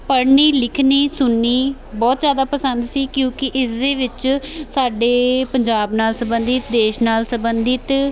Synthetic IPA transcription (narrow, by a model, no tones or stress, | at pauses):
pəɽɳiːlɪkʰniːsʊnːiː | bɔːt̪zjaːd̪aːpəsənd̪siːkjõːkɪʔɪsd̪eːʋɪt͡ʃsaːɖeːpəɲd͡ʒaːbnaːlsəbə̃nd̪ɪt̪d̪eːʃnaːlsəbənd̪ɪt̪